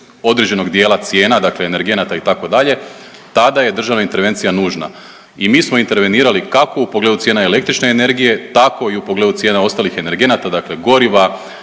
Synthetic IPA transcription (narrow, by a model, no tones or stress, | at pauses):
o̞d̪ɾe̞d͡ʑe̞no̞ɡd̪je̞ːlˠat̪sje̞ːnad̪akle̞ːne̞ɾɡe̞nat̪ait̪ako̞d̪aʎe̞ | t̪ad̪aje̞d̪r̩ʒaʋnaint̪e̞ɾʋe̞nt̪sijanuːʒna̰ | imiːsmo̞int̪e̞ɾʋe̞niːɾalikakoupo̞ɡle̞d̪usjeːnaele̞kt̪ɾit͡ʃne̞ːne̞ɾɡije̞t̪ako̞iupoɡled̪ut̪je̞ːnao̞st̪alixe̞ne̞ɾɡe̞nat̪ad̪akle̞ɡo̞ɾiʋa